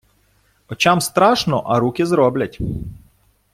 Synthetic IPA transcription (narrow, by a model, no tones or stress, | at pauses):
ɔt͡ʃamst̪ɾɑʃnɔʔɐɾukʲɪzɾɔblʲɐtʲ